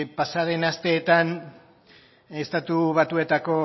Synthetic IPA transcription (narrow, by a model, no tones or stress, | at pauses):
pasaɾe̞nast̪e̞ːt̪an | est̪at̪uβ̞at̪ue̞t̪ako̞